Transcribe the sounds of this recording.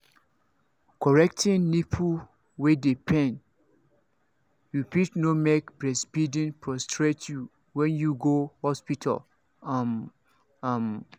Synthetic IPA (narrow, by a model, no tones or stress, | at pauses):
kʰɔɹɛktʰĩnːipʰu | wedepʰɛ̃n | jupitnomekbɹɛsbidĩnpʰɹɔstʰɹetʰju | wɛ̃njuɡohɔspitʰa̰l | am | am